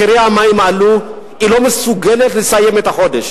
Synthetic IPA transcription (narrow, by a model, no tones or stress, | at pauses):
iɾiamaimalu | ilomisuɡɛlɛɬisajɛmɛt̪aχɔdɛʃ